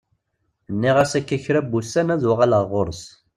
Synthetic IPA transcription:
nːiʁæsækːæçɾæbːusːænæðwʁaləʁʁoɾs

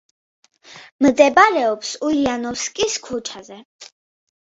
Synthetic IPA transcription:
md̪ɛbaɾɛɔpsuianɔskʼiskʰut͡ʃʰazɛ

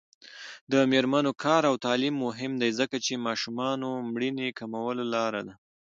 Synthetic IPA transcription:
d̪əmeɾmanokʰɑɾawt̪ɑlimːoɦɪmd̪ajzəkat͡ʃemɑʃumɑnomɽinekamawəlolɑɾad̪a

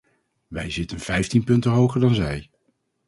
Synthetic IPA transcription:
ʋɛjzɪtənv̥ɛjftinpɵntənɦowχəɹdɑnzɛj

